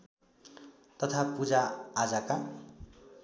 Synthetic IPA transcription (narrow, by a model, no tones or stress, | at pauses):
t̪ʌt̪ʰapud͡zaːd͡zaka